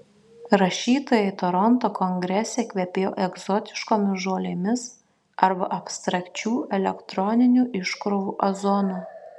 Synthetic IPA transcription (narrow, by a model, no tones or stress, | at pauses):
ɾɐʃʲiːt̪oːjɛɪt̪oɾɔnt̪oːkɔŋʲɡɾʲɛsʲekʲʋʲɛpʲeːjoːʔɛɡzɔt̪ʲɪ̥ʃkoːmʲɪsʒoːlʲeːmʲɪs | ɐɾbɐʔɐpst̪ɾɐkʲt͡ʃʲuːʔɛlʲɛkt̪ɾɔnʲɪnʲuːʔɪʃkɾoʋuːʔɐzɔnuː